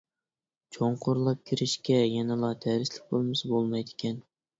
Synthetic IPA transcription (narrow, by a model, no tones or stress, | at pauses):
t͡ʃʰoɴqʰʊɾlˠɑp̚kʲʰiɾɪʃkʲɛjɛnɛlˠɑt̪ʰæɾɪslɪk̚ʲbolˠmɪsbolˠmɑjd̪ɪkʲʰɛn